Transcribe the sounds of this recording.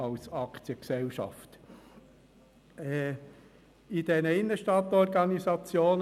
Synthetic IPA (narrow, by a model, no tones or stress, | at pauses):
ɑlsɑkt͡siəksɛlʃɑ̰ft | ɛ | id̥ɛnəɪnːəʃtɑt̪ɔɾɡɑnisɑt͡sjoːn